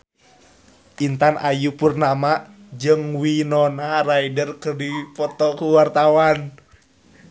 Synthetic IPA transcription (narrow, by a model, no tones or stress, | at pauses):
ʔint̪anʔajupurnama | d͡ʒɨŋwinɔnaraidərkərdipɔt̪ɔkuwart̪awan